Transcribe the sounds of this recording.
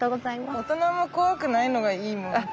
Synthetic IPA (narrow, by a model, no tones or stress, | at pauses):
oɡot͡saimaot̪onamokoakɯnainoɡaiːmo